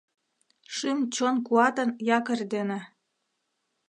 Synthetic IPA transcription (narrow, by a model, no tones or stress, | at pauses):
ʃymt͡ɕonkuɑt̪ənjɑkərd̪enĕ